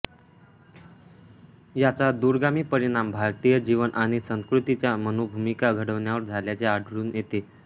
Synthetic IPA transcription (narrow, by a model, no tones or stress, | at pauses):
jat͡sad̪uɾɡamiːpəɾiɽ̃ambʱaɾt̪ijəd͡ʑiʋənʔaɽ̃isə̃ŋskɾut̪it͡ɕjamənobʱumikaɡʱəɽəʋɳjaʋəɾd͡zʱaljat͡ɕeaɖʱɭuːnjet̪e